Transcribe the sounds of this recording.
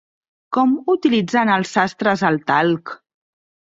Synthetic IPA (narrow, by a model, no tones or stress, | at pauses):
kɔmut̪ilid͡zanəlˠsast̪ɾəzəlˠt̪alˠk